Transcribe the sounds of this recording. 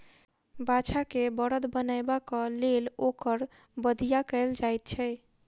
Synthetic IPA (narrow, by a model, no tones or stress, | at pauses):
bat͡ʃʰakebəɽəd̪bənajbakəlelokəɾ | bəd̪ʱijakəɪld͡ʒajt̪̚t͡ʃʰɛ